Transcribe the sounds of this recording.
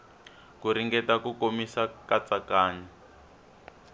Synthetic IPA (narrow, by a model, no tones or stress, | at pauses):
kuɾiŋɡɛtakukomisakat͡sakaːɲa